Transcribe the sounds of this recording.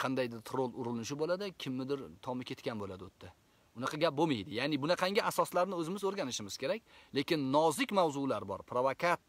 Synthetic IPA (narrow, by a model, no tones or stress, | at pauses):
qʰɑnd̪ajd̪ɪɾt̪ʰɾolˠʊɾɪlnɪʃ̬ɪbolˠad̪ɪkʲʰɪmːɪd̪ɪɾt̪ʰɒmɪkʲʰe̞t̪kʲanbolad̪ɪot̪ʰːa | ʊnɑqʰɑɡʲap̚bomajd̪ɪjanɪbʊnaqʰɑŋɡʲɪʔasɒslaɾnɪɵzɪmɪzɵɾɡʲanɪʃɪmɪz̥kʲe̞ɾakʲle̞kʲɪnːɒzɪkʲmawzʊlaɾbɒ̰ɾpɾovokʰat̪̚